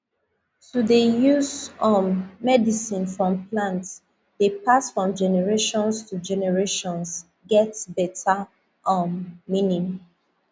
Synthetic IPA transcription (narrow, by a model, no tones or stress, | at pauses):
tudejuzɔ̃nːɛdisĩnfɹɔ̃mplãnts | depasfɹɔ̃md͡ʒɛnɛɹeʃɔ̃nstʰud͡ʒɛnɛɹeʃɔ̃ns | ɡɛtbɛtʰa | ʔɔ̃nːĩnĩm